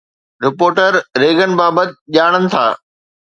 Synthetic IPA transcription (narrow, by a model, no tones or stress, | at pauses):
ɾɪpoːɾʈəɾɾeːɡənɪ̆baːbət̪ɪʄaːɽ̃ənɪ̆t̪ʰa̰ː